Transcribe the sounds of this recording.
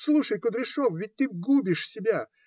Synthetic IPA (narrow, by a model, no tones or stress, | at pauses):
slˠuʂəjkʊd̪ɾʲɪʂofvʲɪt̚ʲt̪ɨɡubʲɪʂsʲɪbʲa